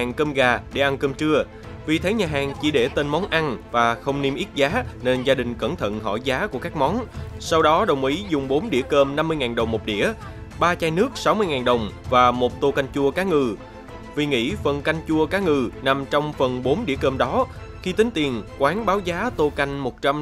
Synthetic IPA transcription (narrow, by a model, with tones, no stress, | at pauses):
aː˨˩ŋkəː˧mɣaː˨˩ɗe˧˩ʔa˧nkəː˧mt͡ɕɨ˧ə | vi˨˩t̪ʰə˨˦jɲaː˨˩ɦaː˨˩ŋt͡ɕḭ˧˩ɗe˧˩t̪e˧nmɔ˨˦nʔa˧nvaː˨˩xə˧wŋ͡mni˧mʔi˦˥t̚zaː˨˦ne˧nzaː˧ɗï˨˩ŋ̟kə̰˧˩nt̪ʰə̰˧˨nɦɔ̰˧˩jzaː˨˦ku˧˩əkaː˦˥k̚mɔ˨˦nsa˧wɗɔ˨˦ɗə˨˩wŋ͡mʔi˨˦zʊ˨˩ŋ͡mɓo˨˦nɗḭ˧˩əkəː˧mna˧mːɨ˧əjŋaː˨˩nɗə˨˩wŋ͡mmːo˨˩t̚ɗḭ˧˩˨ə | ɓaː˧t͡ɕaː˧jnɨ˦˥ək̚sa˨˦wmɨ˧əjŋaː˨˩nɗə˨˩wŋ͡mvaː˨˩mo˨˩t̚t̪o˧ka˧jŋ̟t͡ɕu˧əkaː˨˦ŋɨ˨˩ | vi˨˩ŋḭ˧˥fə˨˩nka˧jŋ̟t͡ɕu˧əkaː˨˦ŋɨ˨˩na˨˩mt͡ɕɔ˧wŋ͡mfə˨˩nɓo˨˦nɗi˧˩əkəː˧mɗɔ˨˦ | xi˧t̪ï˨˦ŋ̟t̪i˨˩ənkwaː˨˦nɓaː˨˦wzaː˨˦t̪o˧ka˧jŋ̟mo˨˩t̚t͡ɕa˧m